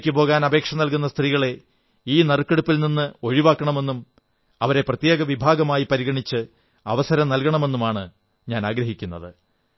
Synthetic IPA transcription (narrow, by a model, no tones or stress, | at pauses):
kʲːupo̞ːɣaːnɐbe̞ːkʂɐnɐlkun̪ːɐst̪riːɣɐɭe̞ | iːnɐrɨkːeɽupːilninːɨo̞ɻiʋaːkːɐɳɐme̞nːum | ɐʋɐɾe̞prɐt̪je̞ːɡɐʋibʱaːɡɐmaːjipɐɾiɣɐɳit͡ɕːɨ | ɐʋɐsɐɾɐmnɐlkɐɳɐme̞nːumaːɳɨ | ɲaːnaːɡɾɐɦikʲːunːɐðɨ